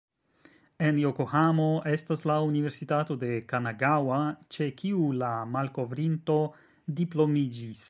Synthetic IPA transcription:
e̞njokohamo̞ʔe̞staslaunive̞ɾsitato̞de̞kanaɡawat͡ʃe̞kʰiulamalko̞vɾinto̞ | diplo̞mid͡ʒis

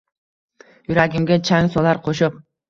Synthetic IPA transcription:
yɾaɡʲimɡʲet͡ʃʰaŋsolˠɑɾqʰoʃup̚

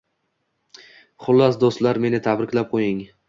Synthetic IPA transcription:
χʊlˠːasd̪ost̪laɾme̞nɪt̪ʰabɾɪkʲlap̚qʰojɪŋ

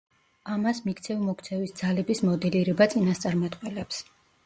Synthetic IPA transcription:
amasmikʰt̪sʰɛvmɔkʰt̪sʰɛvisd̪zalɛbismɔd̪ɛliɾɛbat̪sʼinast̪sʼaɾmat̪ʼqʼwɛlɛps

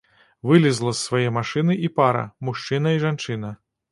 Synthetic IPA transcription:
vɨlʲizlˠɐsːvajɛmaʂɨnɨʔipaɾɐ̰muʂt͡ʂɨnɐiʐant͡ʂɨnɐ

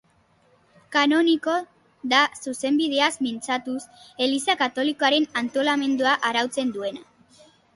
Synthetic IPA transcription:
kano̞niko̞ | ðasuse̞mbið̞eazmint͡sat̪use̞lisakat̪o̞liko̞aɾe̞nant̪o̞lame̞nd̪uaʔaɾawt͡se̞nd̪ue̞na

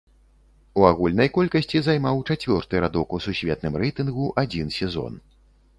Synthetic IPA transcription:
uaɣulʲnɐjkɔlʲkɐsʲt͡sʲizajmawt͡ʂat͡sʲvʲɔrt̪ɨɾad̪ɔkususʲvʲɛt̪nɨmrɛjt̪ɨnɣuʔad͡zʲinsʲɛzɔ̰n

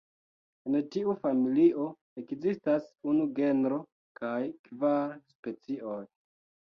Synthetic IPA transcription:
entiufamiliʔo̞ | e̞kzistasunuɡe̞nɾo̞ | kʰajkvaɾspe̞t͡siʔoj

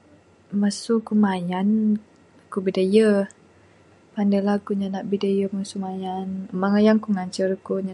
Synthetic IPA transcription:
məsukumajan | kubidəjə | pandəlakuɲanaʔbidajəməsumajanmaŋajaŋkuŋaɲt͡ʃərkuɲa

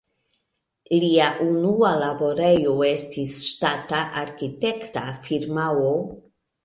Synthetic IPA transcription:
liaʔunualabo̞ɾe̞jo̞e̞stisʃtataʔaɾkite̞ktafiɾmawo

